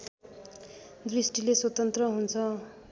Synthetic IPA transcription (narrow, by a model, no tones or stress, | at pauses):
d̪risʈileswʌt̪ʌnt̪rʌɦunt͡sʰʌ